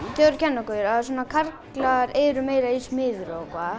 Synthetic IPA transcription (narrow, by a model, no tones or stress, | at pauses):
t̪jœɾcʰɛnːakɔjʏɾaðas̬uːnakʰarklaɾɛːɾʏmeːjɾaismɪːðʏɾakʰvaː